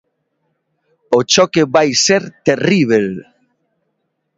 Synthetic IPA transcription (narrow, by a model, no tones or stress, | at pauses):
ot͡ʃokeβajseɾt̪eriβ̞el